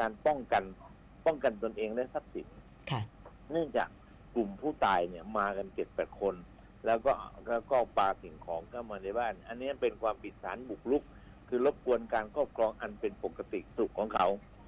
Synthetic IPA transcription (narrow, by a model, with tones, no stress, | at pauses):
kaː˧npɔ˥˩ŋka˧n | pɔ˥˩ŋka˧nt̪o˧nʔeː˧ŋdaː˦˥˩jsa˦˥p̚sḭ˨˩˦n | kʰ | nɯ˥˩əŋt͡ɕa̰ː˨˩k̚ː | lu˨˩mpʰuː˥˩t̪aː˧jni˥˩ɐmaː˧ka˧nt͡ɕe˨˩t̪̚pɛː˨˩t̪̚kʰo˧n | lɛː˦˥wkɔː˥˩ʔkaː˦˥˩wkɔː˥˩paː˧t̪ʰi˩˦ŋkʰɔː˩˦ŋkʰaː˥˩wmaː˧na˧˩jbaː˥˩nʔa˧nːi˦˥˨pe˧nkʰwaː˧mpʰi˨˩t̪̚saː˩˦nbu˨˩k̚lu˦˥k̚ʰː | ɯː˧lo˦˥p̚kʰu˧ənkaː˧nkʰɔː˥˩p̚kʰlɔː˧ŋʔa˧npe˧npo˨˩kːa˧t̪ḭ˨˩su˨˩k̚ʰːɔː˩˦ŋkʰa˦˥w